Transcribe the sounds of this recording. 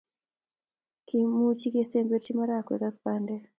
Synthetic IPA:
ki˨mu˦t͡ʃi˦ke˦se˦mbe˦ti˦ma˦ɾakwe˨ka˦k̚pandɛ˦

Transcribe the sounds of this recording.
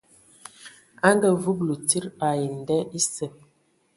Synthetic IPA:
a˦ŋ˦ɡə˦vu˦blu˨ti˦ɾba˨ji˨n̩˨dɛ˦ʔi˦sə˨

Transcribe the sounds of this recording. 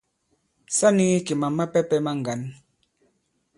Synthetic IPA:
sa˦ni˦ki˨ma˨ma˦pɛ˦pɛ˦ma˦ŋ˨ɡa˨˦n

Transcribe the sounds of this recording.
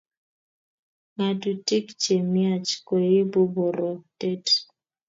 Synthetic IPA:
ŋa˨tu˨ti˦kt͡ʃe˨mja˦˨t͡ʃkɔ˨je˦bo˦bo˨ɾɔ˨tɛ˦t

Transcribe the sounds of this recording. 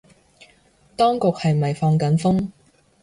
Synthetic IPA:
t̪ɔː˥ŋkʊ˨k̚hɐ˨jmɐ˨jfɔː˧ŋkɐ˨˥nfʊ˥ŋ

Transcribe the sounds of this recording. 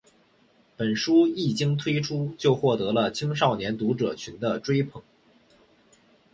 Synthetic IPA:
pə˨˩nʂu˥i˥˩t͡ɕi˥ŋt̪ʰwe˥ɪʈ͡ʂʰu˥t͡ɕjo˥˧ʊxwɔ˥˩t̪ɤ˧˥lə˧t͡ɕʰi˥ŋʂ̬ɑ˥˩ʊnjɛ˧˥nt̪u˧˥ʈ͡ʂɤ̰˨˩t͡ɕʰy˧˥nd̪ə˧ʈ͡ʂwe˥ɪpʰɤ˨˩˦ŋ

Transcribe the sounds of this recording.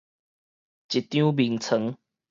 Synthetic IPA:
t͡ɕi˨˩t̪jũ˦bi˨˩ŋt͡sʰə˨˦ŋ

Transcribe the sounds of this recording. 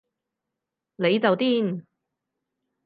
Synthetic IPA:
le˨˧jt͡sɐ˨wt̪iː˥n

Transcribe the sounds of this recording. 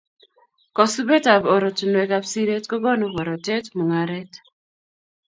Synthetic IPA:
kɔ˨su˦be˦ta˨bɔ˨ɾo˨tu˨nwɛ˨ka˦bsi˦ɾe˦tkɔ˦ɡɔ˦no˦bɔ˨ɾɔ˨tɛ˦tmo˨ŋa˨ɾɛ˦t

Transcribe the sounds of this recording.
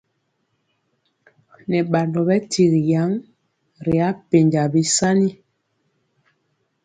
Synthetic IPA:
nɛ˨ɓa˨ndɔ˨bɛ˦ti˨ɣi˨ja˨˦ŋ | ɾi˨a˦pe˨ɲd͡ʒa˨bi˦sa˦ni˦

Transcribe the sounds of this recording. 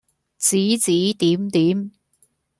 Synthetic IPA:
t͡siː˨˥t͡siː˨˥t̪iː˨˥mt̪iː˨˥m

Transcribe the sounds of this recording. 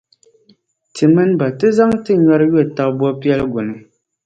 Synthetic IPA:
tɨ˨mɨ˦nba˨tɨ˦za˦ŋtɨ˦ɲɔ˦ɾjo˦˨ta˨ʔbɔ˦pi˦ɛ˦lɡo˨nɨ˨

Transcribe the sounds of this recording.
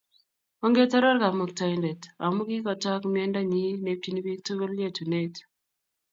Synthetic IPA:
o˦ŋɡe˦tɔ˦ɾɔ˦ɾka˨mʊ˨k̚ta˨jnde˨ta˨mʊ˦ki˦kɔ˨tɔ˦kmiɛ˦nda˦ɲi˦ne˨p̚ti˨ni˦bi˦tu˦ɡo˦lje˦tu˨ne˦t

